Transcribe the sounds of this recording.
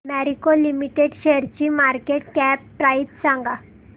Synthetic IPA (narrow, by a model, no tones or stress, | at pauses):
mɛɾikolimiʈeɽɕeəɾt͡ɕiːmaɾkeʈ̚kɛp̚pɾait̪sãŋɡa